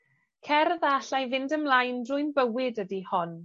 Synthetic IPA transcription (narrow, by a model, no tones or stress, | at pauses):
kʰɛrðaɬajvɪndəmlˠajndrʊjnbəwɪdədihɔn